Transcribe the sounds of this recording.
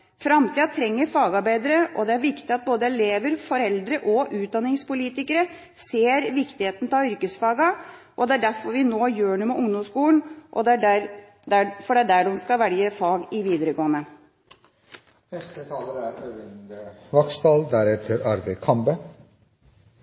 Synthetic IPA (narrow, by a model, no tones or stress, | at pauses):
fɾɑmt̪ʰiːɑt̪ʰɾɛŋːəɾfɑːɡɑɾbæɪd̪əɾəʔɔd̪ɛæɾʋɪkt̪ɪɑt̪̚boːd̪əɛleːʋəɾfɔɾɛld̪ɾəʔɔʔʉːt̪̚d̪ɑnːɪŋspʊliːt̪ɪkəɾə | seːɾʋɪkt̪ɪheːt̪nt̪ʰɑʏɾkəsfɑːɡɑ | ʔɔd̪ɛæɖæfɔɾʋɪnoːjøːɳumɛʔʊŋd̪ɔmskuːlnʔɔd̪ɛæ | d̪æfɔɖɛæɖæɖmskɑʋæɽjəfɑːɡɪʋiːd̪əɾəɡoːənə | nɛst̪ət̪ʰɑːləɾæɾnøʋɛnd̪əʋɑkst̪ɑːld̪æɾɛt̪ʰəɾɑɾʋɛɪkʰɑmbə